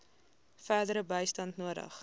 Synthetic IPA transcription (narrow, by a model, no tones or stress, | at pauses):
fæːdəɾəbəjstɐntnuəɾə̰χ